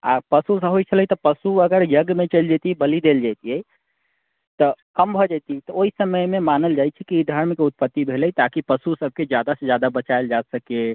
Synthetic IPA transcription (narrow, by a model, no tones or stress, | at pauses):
apəsusəɦojt͡ʃʰələt̪ɔpəsuəɡəɾjəɡmet͡ʃəld͡ʒat̪ibəlid̪eld͡ʒajt̪iəj | t̪ɔkəmbʱɔd͡ʒajt̪it̪ɔoisəməjmemanəld͡ʒajt͡ʃʰɛkiːd̪ʱaɾmikut̪̚pət̪ːibʱelɛjt̪akipəsusəb̚ʱked͡ʒjad̪asẽd͡ʒjad̪abət͡ʃaeld͡ʒad̪səke